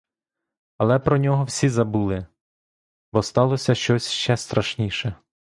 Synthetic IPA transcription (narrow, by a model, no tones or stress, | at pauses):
ɐlˠɛpɾɔnʲɔɦɔwsʲizɐbulˠɪ | bɔst̪ɑlˠɔsʲɐʃt͡ʃɔsʲʃt͡ʃɛst̪ɾɐʃnʲiʃɛ